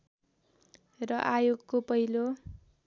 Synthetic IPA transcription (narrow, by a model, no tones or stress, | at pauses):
rʌʔajoɡkopʌɦilo